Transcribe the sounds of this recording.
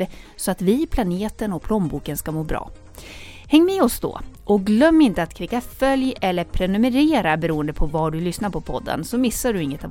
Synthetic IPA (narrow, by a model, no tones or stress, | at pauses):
əsɔat̪vɪpʰlaneːt̪ənɔpʰlɔmbuːkənskamoːbɾɑ̰ː | hɛŋːmeːɔsd̪ɔ̰ʔɔɡlœmːɪnt̪əat̪kʰɾiːkːafœljɛlːəɾpʰɾɛnɵmɛɾeːɾabɛɾuːənd̪əpʰɔvaɖɵlʏsnaɾpʰɔpʰɔd̪ːə̰nsɔmɪsːaɖɵɪŋːət̪a